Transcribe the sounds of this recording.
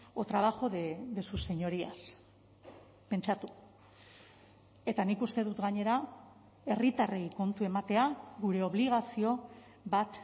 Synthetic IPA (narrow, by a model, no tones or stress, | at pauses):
ot̪ɾaβaʝo̞ðed̪esuse̞ɲo̞ɾia̰s | pe̞nt͡ʃat̪u | e̞t̪anikust̪e̞ðut̪ɡaɲe̞ɾa | e̞rit̪arejko̞nt̪ue̞mat̪e̞aɣuɾe̞o̞βliɣ̞asio̞ | βat̪